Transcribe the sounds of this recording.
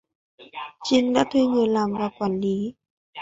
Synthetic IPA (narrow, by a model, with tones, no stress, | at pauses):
t͡ɕi˧nɗa̰ː˧˥t̪ʰi˧ɲɨ˨˩laː˨˩mvaː˨˩kwaː˧˩nli˨˦